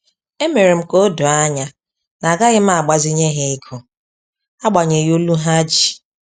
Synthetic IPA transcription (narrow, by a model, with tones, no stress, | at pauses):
e˦me˨ɾe˨m̩˦ko˦do˨a˦ɲa˦ | na˨ɡa˦ɣɪ˦m̩˦a˨ɡ͡ba˨zɪ˦ɲe˦ɦe˦i˦kʰo˨ | a˦ɡ͡ba˨ɲe˨jo˦lu˦ɦa˦d͡ʒi˨